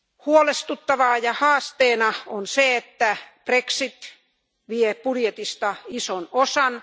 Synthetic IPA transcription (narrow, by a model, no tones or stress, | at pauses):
huolest̪ut̪ːɑʋɑːjɑhɑːst̪eːnɑonseet̪ːæpreksit̪ | ʋiepudjet̪ist̪ɑisonosɑn